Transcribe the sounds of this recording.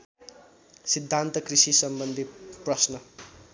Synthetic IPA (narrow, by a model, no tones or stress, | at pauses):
sid̪ʱːant̪ʌkrisisʌmbʌnd̪ʱiprʌsnʌ